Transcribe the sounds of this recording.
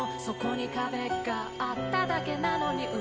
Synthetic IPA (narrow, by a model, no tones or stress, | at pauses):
so̞ko̞ɲ̟ikabe̞ɡaːt̪ːad̪ake̞nano̞ɲ̟iʔɯ̟